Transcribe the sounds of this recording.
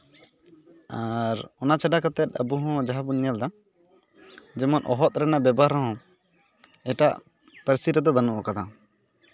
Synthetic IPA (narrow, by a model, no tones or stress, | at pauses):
aɾɔnat͡ʃaɖakət̪ɛt̪̚ˀəbuɦɔ̃d͡ʒaɦabunjald̪a | d͡ʒɛmɔnʔɔɦɔt̪̚ɾɛnaʔbɛbaɦɾɔɦɔ̃ | ɛʈaʔ | pəɾsiɾɛd̪ɔbanuʔɔkad̪a